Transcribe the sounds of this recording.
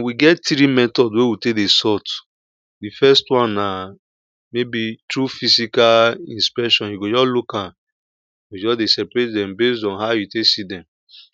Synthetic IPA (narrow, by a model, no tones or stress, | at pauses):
nwiɡɛtːɾimɛtɔdwewitekdesɔt | difɛstwãnːa | mebitɹufisikalĩnspɛʃɔ̃njuɡod͡ʒɔslukãn | wid͡ʒɔsdesɛpɹetdɛ̃mbesdɔ̃nɦaʊjutesidɛ̃m